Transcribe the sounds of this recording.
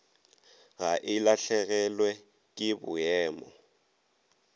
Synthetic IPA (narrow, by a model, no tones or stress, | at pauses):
ɣaʔɪlaɬɛɣɛlwɛ | kʼɪbʊ̰jɛːmɔ